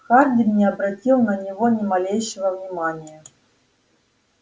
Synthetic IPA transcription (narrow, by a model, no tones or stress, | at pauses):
xard̪ʲɪmnʲɪɐbɾɐtʲilˠnɐnʲivonʲɪmalʲejʃɪvəvnʲɪmanʲɪjɛ